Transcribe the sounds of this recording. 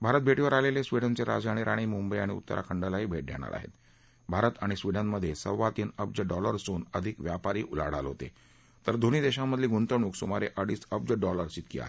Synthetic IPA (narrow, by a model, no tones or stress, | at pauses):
bʱaɾət̪̚bʱeʈiʋəɾalelesʋiɽənt͡seɾa̰d͡zaɽ̃iɾʔaɽ̃iːmumbəjaɽ̃iṵt̪ːə̰ɾʔa̰kʰəɳɖəlaɦiːbʱeʈ̚ɖʱḛɽ̃a̰ɾʔa̰ɦḛt̪ | bʱaɾət̪aɽ̃isʋiɽənməd̪ʱːjesəɾʋat̪iːnəp̚d͡zəɖɔləɾsuːnəd̪ʱikʋjapaɾiːʔula̰ɽ̤alɦot̪ḛ | t̪əɾd̪ʱoɽ̃iːd̪eɕãmːəd̪ʱliːɡunt̪əɳ̃uːksumaɾeʔəɽiːsəp̚d͡zəɖɔləɾt͡ɕit̪kḭa̰e